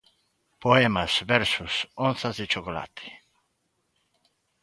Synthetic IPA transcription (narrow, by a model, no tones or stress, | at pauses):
poɛmaz̥vɛɾsusõnθazɪt͡ʃokola̰t̪ʰɪ̥